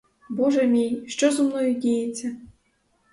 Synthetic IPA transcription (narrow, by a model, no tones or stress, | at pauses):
bɔʒɛmʲijʲʃt͡ʃɔzʊmnɔjudʲijet͡sʲːɐ